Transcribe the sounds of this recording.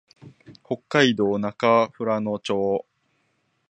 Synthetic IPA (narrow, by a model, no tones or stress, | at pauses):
ho̞kːaid̪o̞ːnakaɸɯ̟ɾano̞t͡ɕo̞ː